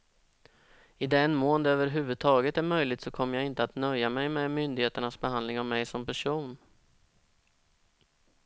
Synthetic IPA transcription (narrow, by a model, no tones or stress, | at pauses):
ɪd̪ɛnmoːnd̪øːvəɾɦʉ̟ːvɵd̪̚t̪ʰɑːɡət̪æɾmœjlɪɡ̚t̪sɔkʰɔmːəjaɡɪnt̪əat̪nœjːamɛjmɛmʏnd̪ɪɡheːt̪əɳasbɛɦand̪lɪŋavmɛjsɔmpæʂuːn